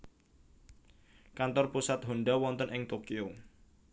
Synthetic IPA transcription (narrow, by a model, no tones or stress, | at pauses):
kant̪ɔrpusat̪̚ɦonɖawɔnt̪ənʔɪŋt̪okio